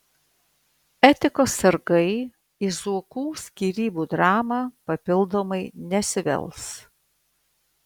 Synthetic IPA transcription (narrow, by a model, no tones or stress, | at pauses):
ɛt̪ʲɪkoːsːɐɾɡɐɪ | izuɔkuːsʲkʲiːɾʲiːbuːd̪ɾɑːmɑːpɐpʲɪlˠd̪oːmɐɪnʲɛsʲɪʋʲɛ̰lˠs